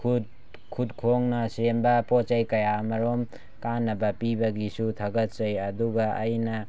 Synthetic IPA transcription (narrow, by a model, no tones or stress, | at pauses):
kʰud | kʰudkʰoŋnɐsembɐpot͡ʃajkɐjamɐɾom | kanːɐbɐpibɐɡisutʰɐɡɐt̚t͡ʃɐjɐduɡɐːjnɐ